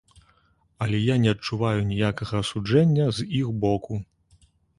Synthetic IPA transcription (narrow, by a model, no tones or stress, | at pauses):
ɐlʲɛjanʲɛɐt͡ʂːuvajunʲijakɐɣɐːsud͡ʐɛnʲːɐzixbɔku